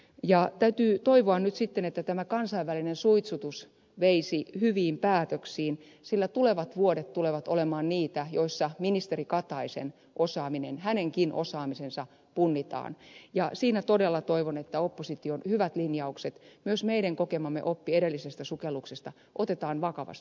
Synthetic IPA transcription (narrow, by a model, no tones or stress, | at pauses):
jɑt̪æyt̪yːt̪oiʋoɑnnyt̪sit̪ːenet̪ːæt̪æmækɑnsɑiʋʋælinensuit̪sut̪us | ʋeisihyʋiːmpæːt̪øksiːn | silːæt̪uleʋɑt̪ʋuodet̪tuleʋɑt̪olemɑːnniːt̪æjoisːɑminist̪erikɑt̪ɑisḛn | ʔosɑːminenhæneŋkinʔo̰sɑːmisensɑ | punːit̪ɑ̰ːnjɑsiːnæt̪odelːɑt̪oiʋonet̪ːæopːosit̪ionhyʋæt̪linjɑukset̪myøsmeiɾæŋkokemɑmːḛʔopːieɾelːisest̪æsukelːˑuksest̪ɑ | ʔot̪et̪ɑːnʋɑkɑʋɑ̰st̪i